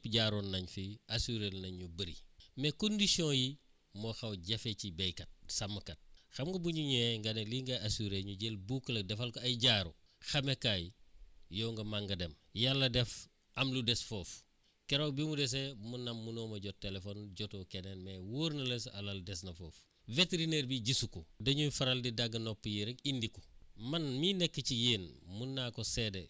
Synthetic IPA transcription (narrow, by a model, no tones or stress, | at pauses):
pɟaːɾonːɐɲfiasuɾelnɐɲubɐɾḭmekondisiõji | moxɐwɟefecibejkɐt̚sɐmːɐkɐt̚xɐmɡɐbuɲuɲeŋɡɐneliŋɡɐasuɾeɲuɟelbukːlɐdɛfalkoɐjɟaːɾo | xɐmekajjoŋɡɐmaŋɡɐdemjalːɐdɛf | ʔɐmludɛsfɔf | kɛɾokbimudɛs̬emunːɐmːunoːmɐɟɔt̚tːelefɔnɟɔtoːkenenmɛwuɾnɐlesɐ̰lɐldɛs̬nɐfoːf | veteɾineɾbiɟisukɔdɐɲufɐɾɐldidaɡːɐnɔpːjiɾɐkindikɔ̥mɐnminɛkːəcijeːnmunːaːkɔsɛde